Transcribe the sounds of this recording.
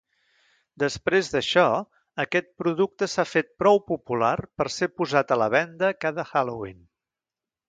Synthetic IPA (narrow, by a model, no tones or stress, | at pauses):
d̪əspɾezðəʃɔ | əkɛt̪̚pɾuðuk̚t̪əsafet̪̚pɾɔwpupularpəɾsepuzat̪ələβ̞ɛnd̪əkaðəxalowḭn